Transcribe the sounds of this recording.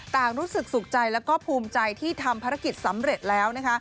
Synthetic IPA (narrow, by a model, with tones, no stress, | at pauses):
t̪aː˨˩ŋɾuː˦˥sɯ˨˩k̚su˨˩k̚t͡ɕa˧jlɛː˦˥wkɔː˥˩pʰuː˧mt͡ɕa˧jt̪ʰiː˥˩t̪ʰa˧mpʰaː˧ɾa˦˥ki˨˩t̪̚sa˩˦mɾe˨˩t̪̚lɛː˦˥wna˦˥kʰa˦˥